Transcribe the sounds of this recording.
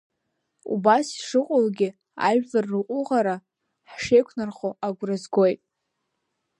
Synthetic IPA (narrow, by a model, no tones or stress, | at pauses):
ṵbasiʂɨqʼʊlɡʲɪ | a̰ʒᶣlʼarːɨqʼʊʁaɾa | ħʂejkʷʰnarχoʔaɡʷrazɡo̞jtʼ